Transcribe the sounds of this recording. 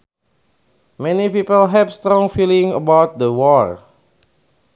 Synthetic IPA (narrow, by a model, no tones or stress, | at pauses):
mɛnipipəlɦɛvst̪ɾɔ̃ŋfilĩŋə̰bawt̪̚dəwɔɹ